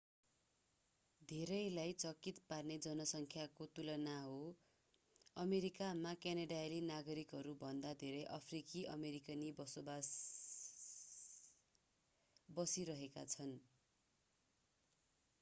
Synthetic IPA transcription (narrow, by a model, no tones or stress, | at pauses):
d̪ʱeɾʌjlajt͡sʌkit̪parned͡zʌnʌsʌŋkʰjakot̪ulʌnaɦo | ʌmeɾikamakjanʌɖajlenaɡʌɾikɦʌɾubʱʌnd̪ad̪ʱeɾʌjʔʌpʰrikiʔʌ̰meɾikʌnibʌsobas | bʌsiɾʌɦeka̰t͡sʰʌn